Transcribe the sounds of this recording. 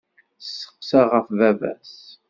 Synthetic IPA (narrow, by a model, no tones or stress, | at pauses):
sːə̥qsaʁəfvævæ̰s